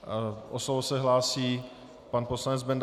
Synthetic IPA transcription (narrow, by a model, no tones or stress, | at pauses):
ʔoslovosɛɦlaːsiː | panpo̞slanɛd͡zbɛnd̪